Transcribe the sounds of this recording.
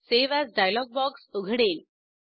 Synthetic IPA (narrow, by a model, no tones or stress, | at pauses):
seʋæzɖajlɔɡ̚bɔksuɡʱɽeːl